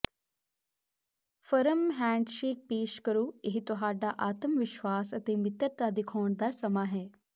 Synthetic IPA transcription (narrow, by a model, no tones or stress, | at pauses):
fɐɾəmɦɛ̃ːɳɖʃeːk̚peːʃkɐɾuːeɦit̪oɦaːɖaʔaːt̪əmʋɪʃʋaːsɐt̪emɪt̪əɾt̪ad̪ɪkʰoːɳd̪asɐmaːɦɛː